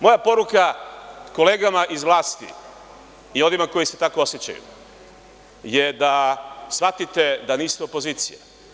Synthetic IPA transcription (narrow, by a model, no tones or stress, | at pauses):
mo̞japo̞ɾukako̞le̞ːɡamaʔizʋlˠaːst̪ḭ | io̞nimako̞jise̞t̪ako̞osjet͡ɕa̰jṵ | jed̪asʋat̪it̪e̞d̪aniːst̪eopo̞ziːt̪sije